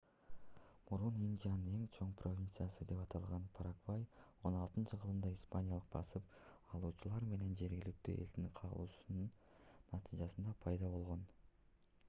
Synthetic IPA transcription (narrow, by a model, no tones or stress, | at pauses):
muɾunind̪ʲijanɨne̞ŋt͡ʃʰo̞ɴpro̞vʲint̪sɨjasɯd̪e̞pɑt̪ʰɑlˠʁɑnpʰaɾakvajo̞nɑlˠt̪ɯnt͡ʃəqʰəlˠɯnd̪ɑispanʲjalˠɯq̚bɑ̰sɯpɑlˠuːt͡ʃulˠɑɾme̞ne̞nd͡ʒe̞ɾɡʲilik̚t̪y̰ːʔḛld̪iŋqʰɑɾɯ̰lˠuːsunn | nːɑt̪ʰijʒɑsɯnd̪ɑpʰɑjd̪ɑβo̞lˠʁo̞n